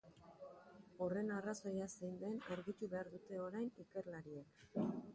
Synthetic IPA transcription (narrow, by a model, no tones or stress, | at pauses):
o̞re̞naraso̞jasejnd̪e̞naɾɣit̪uβe̞aɾðut̪e̞o̞ɾajnike̞ɾlaɾiek